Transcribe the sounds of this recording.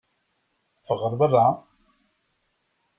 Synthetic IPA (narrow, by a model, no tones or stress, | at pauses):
fəʁəɾˤbərˤːa